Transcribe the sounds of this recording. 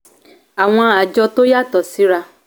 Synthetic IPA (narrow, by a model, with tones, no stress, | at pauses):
a˨w̃ɔ̃˧a˨d͡ʒɔ˧to˦ja˦˨tɔ˨si˨˦ɾa˧